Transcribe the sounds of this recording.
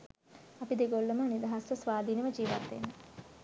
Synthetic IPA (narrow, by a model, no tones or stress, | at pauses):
apid̪eɡolːəmənid̪aɦasʋəsʋaːd̪ʱiːnəʋəd͡ʒiːʋa̰t̪ːḛnːə